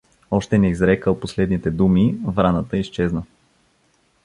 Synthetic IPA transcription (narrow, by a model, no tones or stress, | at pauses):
ɔʃt̪ɛnɛizɾɛkəlˠposlɛd̪nit̪ɛd̪umivɾanət̪əist͡ʃɛznə